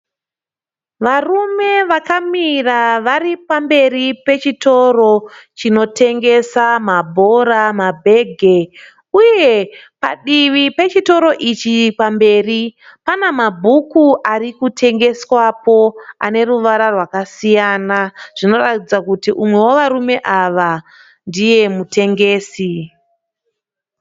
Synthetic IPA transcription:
ʋarume̞ʋakamiraʋaɾipambe̞ripe̞t͡ʃito̞ro̞t͡ʃino̞te̞ŋɡe̞samabʱo̞ɾamabʱe̞ːɡʱe̞ | uje̞pa̰ɗiʋipe̞t͡ʃito̞ɾo̞ʔit͡ʃipambe̞ːripanamabʱukuʔaɾikutʰe̞ŋɡe̞swapo̞ane̞ɾuʋaɾarwakasijaːnaʐ̥ino̞ratid͡zakutiʔumwe̞wo̞ʋaɾume̞ʔaʋa | ndije̞mute̞ŋɡe̞ːsi

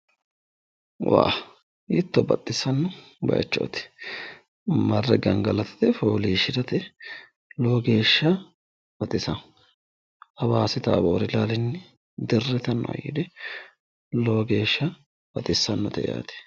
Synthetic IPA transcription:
wa̰ː | ɪt̪ːɔbɐt̪ʼːɪsːɐnːʊ | bɐ̰jɐ̰t͡ʃːo̰ːt̪ɪ̥ | mɐrːɛɡɐŋɡɐlɐt̪ɐ̥t̪ɛfoːliːʃɪd̪ɐt̪ɛ | lo̞ːɡe̞ːʃːɐ | bɐt̪ʼɪsɐ | hɐbaːsɪt̪a̰ːbo̰ːɾɪlaːlɪnːɪ | d̪ɪrːɛt̪ɐnːɔɐ̰jɪ̰d̪ɛ | loːɡe̞ːʃːɐ | b̥ɐt̪ʼɪsːɐnːɔt̪ɛja̰ːt̪ɛ̥

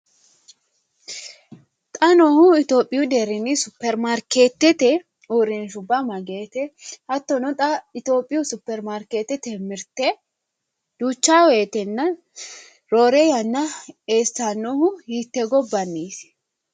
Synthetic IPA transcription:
t̪ʼɐnɔhʊɪt̪oːpʼːɪjʊd̪ɛɾɪnɪsʊpːɛɾmaɾkeːt̪ːɛt̪ɛ | uːɾɪnʃ̬ʊbːɐmɐɡe̞ːt̪ɛhɐt̪ːɔnɔt̪ʼɐɪt̪o̞ːpʼːɪjʊsʊpːɛɾmaɾkeːt̪ːɛt̪ɛmɪɾt̪ɛ | d̪̥uːt͡ʃːaːweːt̪ɛnːɐ | ɾoːɾejɐnːɐeːsanːɔhʊhiːt̪ːɛɡɔbːɐnːiːs

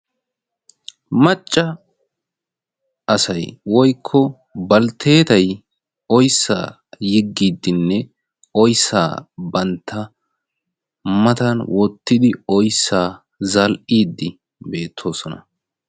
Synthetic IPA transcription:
mɐt͡ʃʼːɐ | ʔɐsɐjwɔjkʰːɔ | bɐlt̪ʰe̞ːt̪ɐj | ɔjsːa̰ː | jɪɡːiːd̪ːɪnːɛ | ʔɔjsːa̰ːbɐnt̪ʰːɐ | mɐt̪ɐnwʔɔt̪ːɪd̪ɪɔjsːaː | zɐlʔiːd̪ːɪ | be̞ːt̪ʰːo̞ːsɔnɐ̰

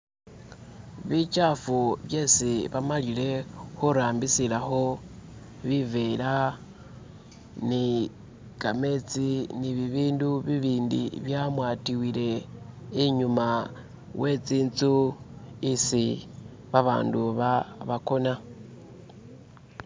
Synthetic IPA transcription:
βit͡ʃafuβje̞ːsiβamalile̞xuɾaːmbisilaxo̞ | βivela | ni | kame̞t͡siniβiβiːnduβiβiːndḭβjamwaːtiwile̞iɲuma | wʔe̞t͡siːnt͡su | isi | βaβa̰ːnduβaβako̞na

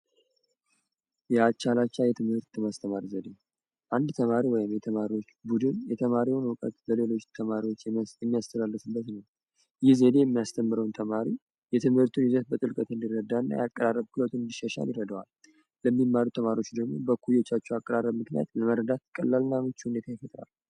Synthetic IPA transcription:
jɛat͡ʃːalat͡ʃːajɛt̪ʰɨmhɨɾt̪ːɨmast̪ʰəmaɾizəd̪e | ʔand̪t̪ʰəmaɾiwɔjɪmjɛt̪ʰəmaɾiwo̞t͡ʃːbud̪ɨnjɛt̪ʰəmaɾiwnəwkʼə̰t̪bəle̞lo̞t͡ʃːt̪ʰəmaɾiwo̞t͡ʃːjɛmːijast̪ʰəlalːɨsɨbːət̪nəw | jɪhzəd̪ejɛmːijast̪ʰəmːɨɾəwnt̪ʰəmaɾi | jɛt̪ʰɨmhɨɾt̪ʰunɪzət̪̚bət̪ʼɨlkʼət̪ɨnd̪irːəd̪ːaɨnːa̰jakʼːəɾarːəbkʰɨlət̪ʰunɨnd̪iʃːəʃa̰ljɪrəd̪əwa̰l | ləmːimːaɾut̪ʰəmaɾiwo̞t͡ʃːd̪əɡmo̞̰bəkʰujet͡ʃːat͡ʃːɛakʼːəɾarːəbmɨknija̰t̪ləməɾəd̪at̪kʼəlːalɨnːamɨt͡ʃːhune̞t̪ʰajɛfət̪ʼna̰l

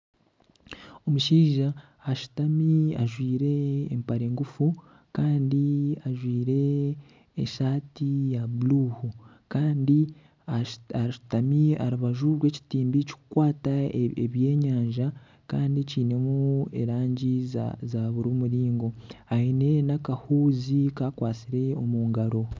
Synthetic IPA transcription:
o̞muʃiːʒaː | ʃu̥tamiaʒwiːɾe̞ːmpaɾe̞ːŋɡufu | kaːndiaʒwiːɾe̞ː | ʃaːtijaβuluhu | kaːndi | aaʃu̥tamia̰ɾuβaʒuɾwe̞ːci̥tiːmbici̥ku̥kwaːtaeβje̞ːɲaːɲʒa | kaːndiciːne̞mueɾaːɲɟizaβuɾumuɾiːŋɡo̞aine̞nakahuːzikakwaːt͡siɾe̞o̞muːŋɡaɾo̞

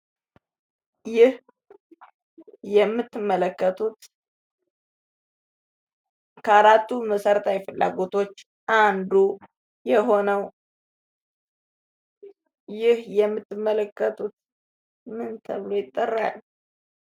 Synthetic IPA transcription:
jɪh | jɛmːɨt̪ːɨmːələkːət̪ʰut̪ | kʰəaɾat̪ːuməsəɾt̪ʰajfɨlːa̰ɡo̞t̪ʰo̞t͡ʃː | ʔand̪u | jɛɦo̞nəw | jɪhjɛmːɨt̪ʰːɨmːələkːət̪ʰut̪ | mɨnt̪ʰəβlo̞jɪt̪ʼːərːa̰lː

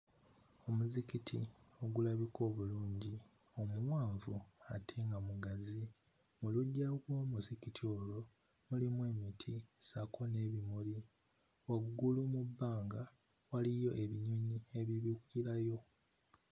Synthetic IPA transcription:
o̞muzikitʰḭo̞ɡulaβikʰo̞ːβuluːɲɟi | o̞muwaːɱvuatʰeŋɡamuɡazi | muluɟːaɡwo̞ːmuzikitʰio̞lo̞ | mulimweːmitʰisakʰo̞ne̞ːβimuli | waɡɡulumubːaːŋɡa | walijo̞ʔe̞βiɲoɲie̞βiβikukiɾajo̞

